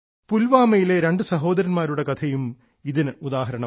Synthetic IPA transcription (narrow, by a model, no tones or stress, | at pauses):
pulʋaːmɐjile̞ɾe̞ɳɖɨsɐɦo̞ːd̪ɐɾɐnmaːɾuɽe̞kɐt̪ʰɐjum | iðinɨud̪aːɦɐɾɐɳɐ